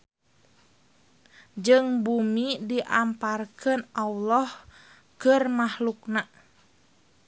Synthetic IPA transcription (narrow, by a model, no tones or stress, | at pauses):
d͡ʒɨŋbumidiʔamparkənʔawlɔh | kərmahlukna